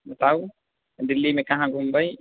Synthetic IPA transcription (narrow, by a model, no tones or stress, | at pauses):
mət̪aw | d̪ilːimekaɦãɡumbaj